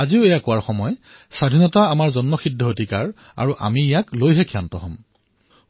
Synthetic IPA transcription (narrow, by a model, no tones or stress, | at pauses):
aziʊejakʊwaɹxɔmɔj | sadʱinɔtaːmaɹzɔnmɔxidʱːɔodʱikaɹ | a̰ɹuʔa̰mijaklojɦɛkʰjantɔɦɔm